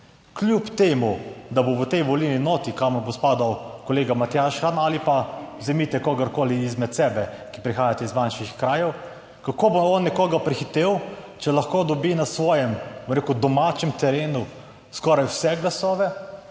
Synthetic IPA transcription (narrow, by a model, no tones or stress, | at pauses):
klʲjupt̪eːmud̪aboʋət̪ɛjʋɔlininɔːt̪ikaməɾbospaːd̪awkɔleːɡamat̪jaʃxanalipazɛmit̪ɛkɔɡaɾkoːliizmɛt̪sɛbɛ | ki̥pɾixaːjat̪ɛizʋanʃixkɾaːjɛw | kakoːboɔnːɛkɔːɡapɾixit̪eːw | t͡ʃɛlaxkod̪ɔbinasʋɔːjɛmbɔmɾeːkud̪ɔmaːt͡ʃɛmt̪ɛɾeːnu | skɔːɾajwsɛɡlasɔːʋɛ